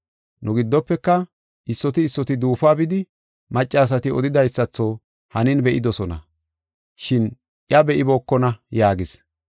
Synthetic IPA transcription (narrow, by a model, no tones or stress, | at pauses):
nʊɡɪd̪ːɔpːɛkːɐ | ʔɪsːɔt̪ɪːsːɔt̪ɪd̪uːfaːbɪd̪ɪ | mɐt͡ʃʼːaːs̬ɐt̪ɪɔ̰d̪ɪd̪ɐjsːɐt͡sːoː | hɐnɪnbɛʔɪd̪ɔsɔnɐ̰ | ʃɪn | ʔjɐbɛʔɪboːkːɔnɐjaːɡɪs